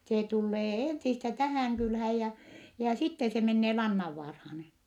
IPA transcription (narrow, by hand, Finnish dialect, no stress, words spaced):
seː tulːeː eˑnsistæ tæhæˑŋ kylhæːj jæ jæ sitːe se menːeː lɑnːɑʋːɑːrhɑːn